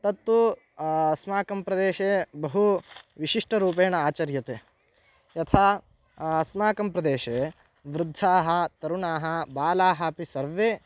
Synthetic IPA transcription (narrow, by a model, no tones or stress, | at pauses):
t̪ɐt̪ːu | ɐsmaːkɐmpɾɐd̪eːʃeːbɐɦuʋiʃiʂʈɐɾuːp̬eːɳɐaːt͡ʃɐɾjɐt̪e | jɐt̪ʰaː | ɐsmaːkɐmpɾɐd̪eːʃeː | ʋɾɪd̪ʱːaːɦɐ̆t̪ɐɾuɳaːɦɐ̆baːlaːɦɐpisɐɾʋeː